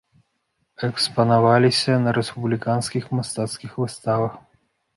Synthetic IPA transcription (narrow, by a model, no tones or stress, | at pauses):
ɛkspɐnavalʲisʲɐnɐɾɛspublʲikanskʲixmast̪at̪skʲixvɨst̪avɐx